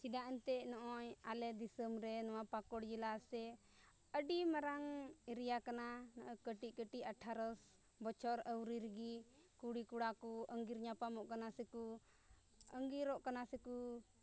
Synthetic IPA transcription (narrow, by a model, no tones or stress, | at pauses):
sid̪aʔɛnt̪ɛʔnɔʔɔjalɛd̪isəmɾɛnɔwapakɔɽd͡ʒilasɛ | əɖimaɾaŋiɾijakananɔʔɔjkəʈiʔkəʈiaʈʰaɾəs | bɔt͡ʃʰɔɾəwɾiɾɡi | kuɽikuɽakuəŋɡiɾɲapamɔʔkanasɛku | əŋɡiɾɔʔkanasɛku